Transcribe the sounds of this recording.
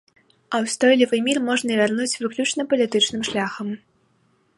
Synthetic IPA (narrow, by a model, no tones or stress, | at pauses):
ɐwst̪ɔjlʲivɨmʲirmɔʐnɐvʲarnut͡sʲvɨklʲut͡ʂnɐpɐlʲit̪ɨt͡ʂnɨmʂlʲaxɐm